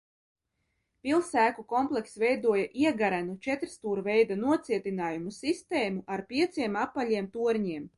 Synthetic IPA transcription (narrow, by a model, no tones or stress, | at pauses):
pilˠsæːkukɔmplˠɛksvɛjd̪uɔjaʔiɛɡaɾænut͡ʃɛt̪ɾst̪uːɾvɛjd̪anuɔt̪siɛt̪inaːjumusist̪eːmuʔaɾpʲiɛt̪siɛmapːalʲiɛmt̪uɔɾɲiɛm